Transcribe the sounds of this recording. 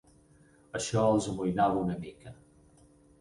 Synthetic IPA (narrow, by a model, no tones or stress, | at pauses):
əʃɔəlˠzəmujnaβəunəmikə